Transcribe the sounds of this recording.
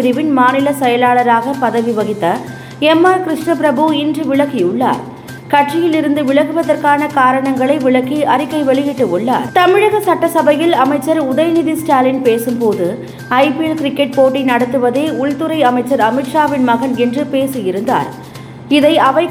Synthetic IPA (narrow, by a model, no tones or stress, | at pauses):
ɾɪʋɪnmaːnɪlɐsɛjɐlaːɭɐɾaːɣɐpɐðɐʋiʋɐɣɪt̪ːɐ | ɛmːaːɾkɪɾɪʂɳɐpɪɾɐbɯɪndrɯʋɪɭɐkːijʊɭːa̰ːɾ | kɐʈrɪjɪlɪɾɯnd̪ɯʋɪɭɐɣɯʋɐðɐɾkaːnɐkaːɾɐɳɐŋɡɐɭɐɪʋɪɭɐkːiɐɾɪkːɐɪʋɛɭɪjɪʈːɯɔɭːa̰ːɾt̪ɐmɪɻɐɣɐsɐʈːɐsɐbɐjɪlɐmɐɪt͡ʃːɐɾʊðɐjnɪðisʈaːlɪnpeːsɯmpoːðɯ | ɐɪpɪɛlkɾɪkːɛʈ̚poːʈːɪnɐɽɐt̪ːɯʋɐðeːʊɻt̪ɯɾɐɪɐmɐɪt͡ʃːɐɾɐmɪʈʂaːʋɪnmɐɣɐnɛndrɯpeːsɯjɪɾɯnd̪a̰ːɾ | ɪðɐɪʔɐʋɐɪ